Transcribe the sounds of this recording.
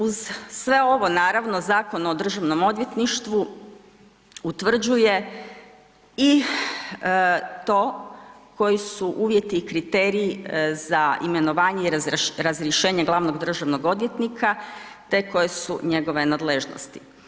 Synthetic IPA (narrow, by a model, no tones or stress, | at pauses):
uzsʋe̞o̞ʋo̞naːɾaʋno̞zaːko̞nao̞d̪r̩ʒaʋno̞mo̞d̪je̞t̪niʃt̪ʋu | ut̪ʋr̩d͡ʑuje̞ | i | t̪o̞ːko̞jisuʔuːʋje̞t̪iːkɾit̪eːɾiːzaime̞no̞ʋaːɲeiɾɾazɾjeʃe̞ːɲeɡlˠaʋno̞ɡd̪r̩ʒaʋno̞ɡo̞d̪ʋje̞t̪nikʰat̪e̞ko̞jesuɲe̞ɡo̞ʋe̞nad̪le̞ʒno̰st̪i̥